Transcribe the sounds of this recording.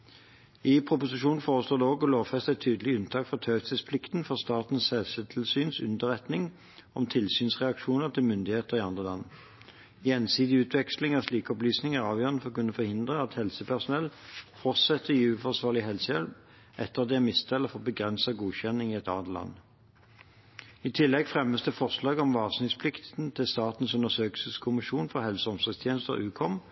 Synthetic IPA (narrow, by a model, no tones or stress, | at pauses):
ɪpʰʁʊpʊsɪʃuːnfoːʁəsloːd̪ɛːoːɡɔloːfɛst̪ɛt̪ʰyːd̪əlɪʉnt̪ʰɑːkfɔʁt̪ʰœːt̪səspʰlɪkt̪n̩fɔʁst̪ɑːt̪n̩sɛlsət̪ʰɪlsyːnsʉ̰nd̪əʁɛt̪nɪŋ | ɔmt̪ʰɪlsyːnsʁɛɑkʂuːnəʁt̪ʰɪlmʏnd̪ɪheːt̪əʁɪɑnd̪ʁəlɑ̰n | jɛnsiːd̪ɪʉːt̪ʰʋɛkslɪŋæʁsliːkɔplyːsnɪŋæʁɑːʋjøːʁənəfɔʁkʉnəfɔʁhɪnd̪ʁəɑt̪hɛlsəpʰæʁsʊnɛlfɔʁt̪sɛt̪ːəjiʉfɔʁsʋɑːʁlɪɦɛlsəjɛlʋ | ʔɛt̪ːəʁd̪ɛɛmɪst̪ʰɛlːəfɔʁbəɡʁɛnsɑɡuːçɛnɪŋɪɛt̪ɑ̰ːt̪lɑ̰nː | ɪt̪ʰɪlːɛɡfʁɛməsd̪əfɔʁʂlɑːɡɔmʋɑːʁsnɪŋspʰlɪkt̪n̩t̪ʰɪlst̪ɑːt̪n̩sʉnəsøːkəsəskʰʊmɪʃuːnfɔʁhɛlsəɔmsəst̪ʰjeːnəst̪ə̰ʁʉːkʰɔm